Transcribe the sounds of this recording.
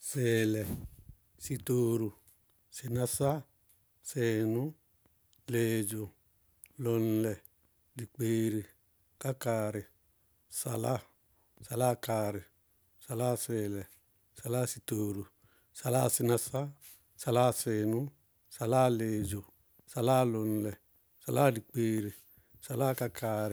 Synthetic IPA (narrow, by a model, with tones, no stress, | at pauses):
se˨lɛ˨ | si˧toː˨ɾu˨ | si˨na˦sa˦ | se˨nʊ˦ | leː˨d͡ʒo˨ | lɔ˨nlɛ˨ | di˨k͡peː˨ɾi˨ | ka˦kaː˨ɾɪ˨ | sa˨la˦˨ | sa˨la˦kaː˨ɾɪ˨ | sa˨la˦se˨lɛ˨ | sa˨la˦si˨toː˨ɾu˨ | sa˨la˦˨sɪ˦na˨sa˦ | sa˨la˦se˨nʊ˦ | sa˨la˦leː˨d͡ʒo˨ | sa˨la˦lo˨n˨lɛ˨ | sa˨la˦di˨k͡pe˨ɾi˨ | sa˨la˦ka˦kʰa˨ɾɪ˨